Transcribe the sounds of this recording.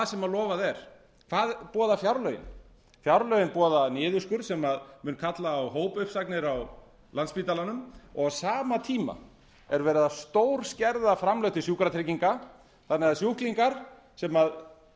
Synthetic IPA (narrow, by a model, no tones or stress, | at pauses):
sɛmaðlɔːvaðɛɾ̥ | kʰv̥aːðpɔːðafjawɾlœɥɪ̰n | fjawɾlœɥjɪnpɔːðanɪːðʏskʏɾ̥sɛmaðmʏnkʰat̪laːwɦoːwpʏhpsaknɪɾaw | lant̪spit̪alanʏmɔɣsaːmat̪ʰiːma̰ | ɛɾvɛːɾɪðast̪owɾ̥scɛɾðafɾamlœwht̪ɪsjuːkɾat̪ʰɾeciŋka | θanːɪðasjuhkliŋkaɾ̥ | sɛmað